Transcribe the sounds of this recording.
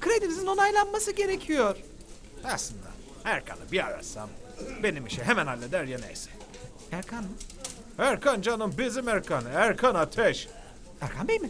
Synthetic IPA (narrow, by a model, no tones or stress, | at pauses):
kʰɾed̪imizino̞najlˠanmasɯɟe̞ɾecʰijoɾ̥ | aslˠɯnd̪a̰ | æɾkʰa̰nɯ̰bia̰ɾa̰sa̰mbe̞nimiʃɛɦemænhalʲːed̪æɾjanḛjsɛ̥ | æɾkʰan | æɾkʰand͡ʒanɯmbizimæɾkʰanɯæɾkʰanat̪ʰɛʃ | æɾkʰanbenim